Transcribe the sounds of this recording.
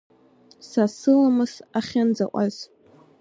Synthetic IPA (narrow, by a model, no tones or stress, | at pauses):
sasɨlamɨsaχʲand͡zaʔʷʼaz̥